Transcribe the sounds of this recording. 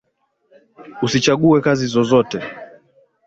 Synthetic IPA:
usit͡ʃaɠuɛkazizɔzɔtɛ

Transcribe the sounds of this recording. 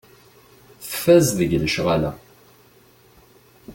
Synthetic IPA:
θəfæzðəʝləʃʁalæ̰

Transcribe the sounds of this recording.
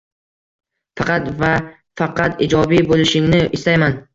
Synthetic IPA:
fɑqɑt̪va | fɑqɑt̪ɪd͡ʒɒbibolɪʃɪŋnɪʔɪst̪ajman

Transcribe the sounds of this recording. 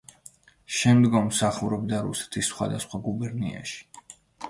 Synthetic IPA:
ʃɛmd̪ɡɔmːsaχuɾɔbd̪aɾṵsɛ̥t̪ʰisːχwa̰d̪asχwaɡubɛɾnḭa̰ʃi̥

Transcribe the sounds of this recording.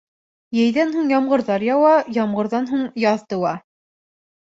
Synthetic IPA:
jɘ̆jðænɦuɴjɑmɢɤ̆ɾðɑɾjɑwɑjɑmʁɤ̆ɾðɑnɦuɴjɑðt̪ɤ̆wɑ

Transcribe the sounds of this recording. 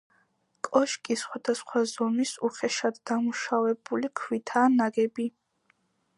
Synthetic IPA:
kʼɔʃkʼisχwad̪̥asχwazɔmisuχɛʃad̪ːamuʃavɛbulikʰwit̪ʰaːnaɡɛbi

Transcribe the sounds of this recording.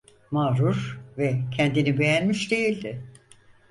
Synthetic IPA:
maːɾuɾvɛcʰɛnd̪inibe̞jænmiʃd̪e̞jilʲd̪ɪ

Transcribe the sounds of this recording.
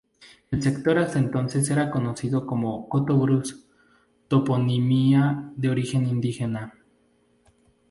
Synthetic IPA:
elsekt̪oɾast̪aent̪onses̬eɾakonosiðokomokot̪oβɾus | t̪oponimiaðeoɾixenind̪ixena

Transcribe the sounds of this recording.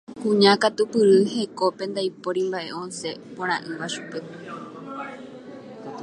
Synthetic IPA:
kũɲãkat̪upɨɾɨhe̞ko̞pẽ̞nd̪ajpoɾimbaʔe̞ʔõnse̞põɾ̃ãʔɨʋaʃu̥pe̞

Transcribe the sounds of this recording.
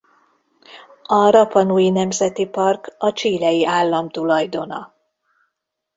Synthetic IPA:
ɒɾɒpɒnuːjinɛmzɛt̪ipɒrkɒt͡ʃiːlɛjiʔaːlːɒmt̪ulɒjd̪o̞nɒ

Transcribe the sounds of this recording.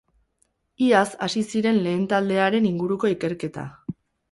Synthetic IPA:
iasasisiɾe̞nle̞ːnt̪ald̪e̞aɾe̞niŋɡuɾuko̞ike̞ɾke̞t̪a̰

